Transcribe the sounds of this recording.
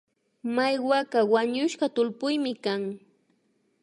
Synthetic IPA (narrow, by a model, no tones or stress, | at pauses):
majwakawaɲʊʃɢɑt̪ʊlpʊjmɪkaŋ